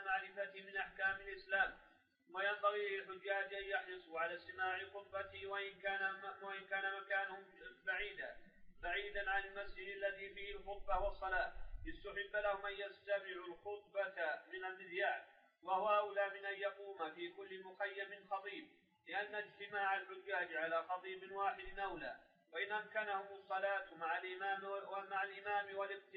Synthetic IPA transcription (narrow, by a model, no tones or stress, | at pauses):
maʕɾɪfat̪ɪmɪnʔaħkaːmɪlʔɪslaːm | wajambaɣiːlɪlħʊd͡ʒːaːd͡ʒʔanjɑħlɨsˤuːʕalaːst̪ɪmaːʕɪxʊt̪̚ˤbat̪ɪwaʔɪnkaːnwaʔɪnkaːnamakaːnʊhʊmbaʕiːd̪abaʕiːd̪anʕanalmasd͡ʒɪd̪alːaðiːfiːhɪlxʊt̪̚ˤbɑwɑsˤːɑlaːʔɪst̪aħɪbːlahʊmʔanjast̪amɪʕulxʊt̪̚ˤbat̪mɪnarːɪd̪jaːʕ | wahʊwaʔawlaːmɪnʔanjɑquːmafiːkʊlːɪmʊxajːamɪnxɑt̪ˤiːb̚ | lɪʔanːaɪd͡ʒt̪ɪmaːʕalʕʊd͡ʒːahad͡ʒʕalaːxɑt̪ˤiːbɪnwaːħɪd̪ɪnʔawla̰ː | waʔɪnʔamkanahʊmʊsˤːɑlaːt̪maʕalʔɪmaːmaʕalʔɪmaːmɪwalɪq̚t̪ɪ